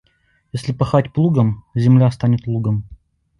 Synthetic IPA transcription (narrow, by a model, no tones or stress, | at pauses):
jesʲlʲɪpɐxatʲplˠuɡəmzʲɪmlʲast̪anʲɪt̪lˠuɡəm